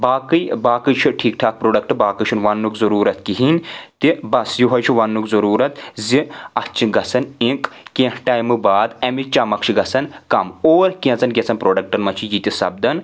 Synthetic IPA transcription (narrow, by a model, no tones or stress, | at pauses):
baːkɨjbaːkɨt͡ʃʰiʈʰiːk̚ʈʰaːk̚pɾoːɖɐk̚ʈɨbaːkɨt͡ʃʰunʋɐnːukzɐɾuːɾɐt̪kiɦint̪ibɐsjiɦɐjt͡ʃʰuʋɐnːukzɐɾuːɾɐt̪ziɐt͡ʃʰiɡɐsɐnĩkkẽːhʈaːjmɨbaːd̪ɐmit͡ʃaːmɐkʃʰiɡɐsɐnkɐmoːɾkiẽzɐnɡʲet͡sɐnpɾoːɖɐk̚ʈɐnmɐt͡ʃʰijiːt̪ʲisɐ̰bd̪ɐn